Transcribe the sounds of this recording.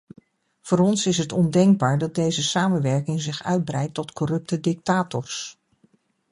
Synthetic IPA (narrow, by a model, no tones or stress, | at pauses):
v̥ʊːɾɔnsɪsɦətɔndɛŋɡ̚baːɹdɑt̚dejzəsaːmənʋɛɹkɪŋzɪχœɥd̚brɛjtːɔtkɔrɵp̚tədɪk̚taːtɔɹs